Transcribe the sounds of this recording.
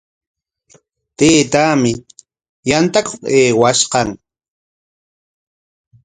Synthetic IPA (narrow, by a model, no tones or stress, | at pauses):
t̪eːt̪aːmɪ | jant̪akoqeːwaʃqɑŋ